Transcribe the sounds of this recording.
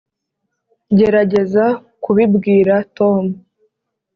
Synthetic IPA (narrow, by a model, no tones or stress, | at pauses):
ɟe̞ɾaɟe̞za | kuβibɡiːɾato̞ːmu